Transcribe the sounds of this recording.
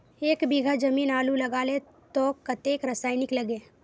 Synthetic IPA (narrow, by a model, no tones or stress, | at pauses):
eːkbiɡʱəd͡ʒɐmiːnaːlulɐɡaːle | t̪oːkɐt̪eːkɾəsaːɪnɪkləɡeː